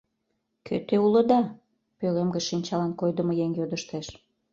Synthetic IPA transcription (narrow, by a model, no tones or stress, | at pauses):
kʰø̰t̪eulə̆d̪ɑ | pølemɡə̆ʃinʲt͡ɕɑlɑnkojd̪əmojeŋjod̪əʃt̪eʃ